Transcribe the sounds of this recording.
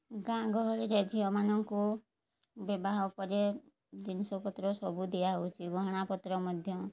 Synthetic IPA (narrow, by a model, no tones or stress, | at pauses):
ɡãɡɔɦɔlɾed͡ʒʰiɔmanɔŋku | bɔbaɦawpɔɾe | d͡ʒinsɔpɔt̪ɾɔsɔbud̪ijaɦɔwt͡ʃʰiɡɔɦɔɽ̃apɔt̪ɾɔmɔd̪ʱjɔ